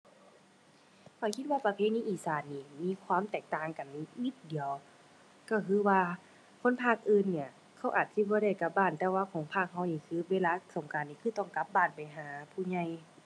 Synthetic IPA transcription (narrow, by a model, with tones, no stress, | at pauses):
kʰɔ˧˩kʰi˧t̪̚waː˧pa˧pʰeː˧˥niː˧˨ʔiː˨˩saː˨˦nːiː˧˩miː˧˥˨kʰwaː˧˥˨mt̪ɛː˨˩k̚t̪aː˧˩ŋka˨˩n˧ni˧˦t̪̚di˨˦əw | kɔ˧˩kʰɯː˧˦˨waː˧ | kʰo˧˥˨npʰaː˧˥˩k̚ʔɯː˧˨nːi˧˩ɐ | kʰa˧˥˩wʔaː˨˩t̪̚si˧˦bɔː˧˦ɾa˧˩jka˧p̚baː˧˩˨nt̪ɛː˧waː˧kʰɔː˨˦ŋpʰaː˧˩k̚ha˧wniː˧˩kʰɯː˧˦weː˧˨laː˧so˨˦ŋkaː˨˦nːiː˧˩kʰɯː˧˥˦t̪ɔ˧˩ŋka˧˥p̚baː˧˥˩npa˨˩jɦaː˨˦pʰuː˧˩ɲa˧˩j